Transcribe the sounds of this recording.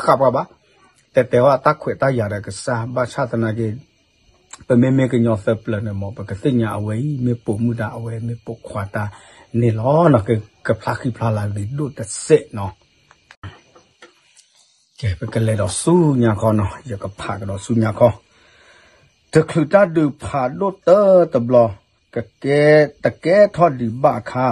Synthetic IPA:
xa˨pa˦˨ba˦ | t̪ɛ˨t̪ɛ˨wa˦˨t̪a˦kʰwɛ˨t̪a˦ja˨dɛ˨kə˨sa˦ba˦˨t͡ʃʰa˦˨t̪ə˨na˨ɡe˨ | b̥ɛ˨me˦me˦kə˨ɲɔ̃˨θə˦plə˨nɛ̃˨mɔ̃˨bɛ˨kə˨θe˦˨ɲã˨ʔə˨wɛ˨i˦me˨po˨mu˦˨da˨ʔə˨wɛ˨me˧˦po˨kʰwa˨ta˦˨ | nẽ˨lɔ˦nɔ˨ɡe˨kə˨pʰla˦ki˦˨pʰla˦la˨ɡi˨ɗo˦˨tə˨se˦ʔnɔ̃˨ | kɛ˨pɛ˨kə˨lɛ˨dɔ˨su˦ɲã˨kʰɔ˦nɔ˨jə˨kə˨pʰa̰˨kə˨dɔ˨su˦˨ɲã˨kʰɔ˦ | d̥ə˨kʰlɨ˨ta˦˨dɨ˨pʰa˨ɗo˦˨t̪ə˦t̪ə˨blɔ˨ | kə˨kɛ˦t̪ə˨kɛ˦tʰɔ˦di˨ba˦ʔkʰa˦

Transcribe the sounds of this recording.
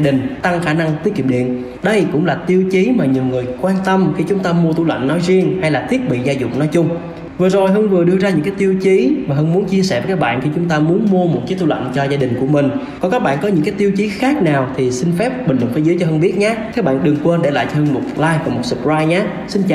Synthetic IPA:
ɗï˨˩ŋ̟t̪a˧ŋxaː˧˩na˧ŋt̪i˨˦˥ki˨˩mɗḭ˧˨ən | ɗə˧jkʊ̰˧˥ŋ͡mlaː˨˩t̪i˧əwt͡ɕi˨˦maː˨˩ɲi˨˩əwŋɨ˨˩əjkwaː˧nt̪ə˧mxi˧t͡ɕʊ˨˦ŋ͡mt̪aː˧mu˧ət̪u˧lə̰˧˨ŋnnɔ˨˦jzi˧əŋha˧jlaː˨˩t̪ʰi˦˥ət̚ɓḭ˧˨zaː˧zʊ̰˧˨ŋ͡m̚nɔ˨˦jt͡ɕʊ˧ŋ͡m | vɨ˨˩zo˨˩jɦə˧nvɨ˨˩əɗɨ˧əzaː˧ɲɨ̰˧˥ŋkaː˨˦jt̪i˧əwt͡ɕi˨˦maː˨˩ɦə˧nmu˨˦ənt͡ɕi˧əsɛ̰˧˩və˨˦kaː˦˥k̚ɓa̰ː˧˨nxi˧t͡ɕʊ˨˦ŋ͡mt̪aː˧mu˨˦ənmu˧əmo˨˩t̚t͡ɕi˨˦t̪ʰu˧lə̰˧˨nt͡ɕɔ˧zaː˧ɗï˨˩ŋ̟ku˧˩əmï˨˩ŋ̟kɔ˨˦kaː˦˥k̚ɓa̰ː˧˨nkɔ˨˦ɲɨ̰˧˥ŋkaː˨˦jt̪i˧əwt͡ɕi˨˦xaː˦˥k̚naː˨˩wt̪ʰi˨˩sï˧ŋ̟fɛ˦˥p̚ɓi̟˨˩lwə˨˩ŋfe˨˦zəː˨˦jt͡ɕɔ˧ɦə˧nɓi˦˥ət̚ɲaː˨˦kaː˨˦˥k̚ɓa̰ː˧˨nɗɨ˨˩ŋkwə˧nɗḛ˧˩la̰ː˨˩jt͡ɕhə˧nmo˨˩t̚laː˧jvaː˨˩mo˨˩t̚sɨ˨˩p̚zaː˧jɲaː˨˦ | sï˧n̟t͡ɕa̰˧˨

